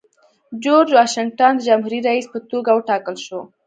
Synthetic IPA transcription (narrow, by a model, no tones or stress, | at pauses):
d͡ʒoɾd͡ʒwɑʃɪŋʈand̪əd͡ʒamɦuɾiɾaispət̪oɡawəʈɑkəlʃo